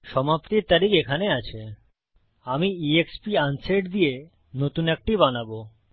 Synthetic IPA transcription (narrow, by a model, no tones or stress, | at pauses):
ʃɔmapt̪iɾt̪aɾikekʰaneat͡ɕʰe | amiiekspianseʈd̪ie | not̪unek̚ʈibanabo